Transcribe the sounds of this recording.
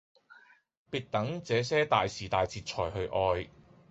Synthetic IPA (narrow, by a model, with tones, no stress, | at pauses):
piː˨˧t̚t̪ɐ˨˥ŋt͡sɛː˨˥sɛː˥t̪aː˨jsiː˨˩t̪aː˨jt͡sʰiː˧t̚t͡ʃʰɔː˨˩jɦɵ˧ɥʔɔː˧j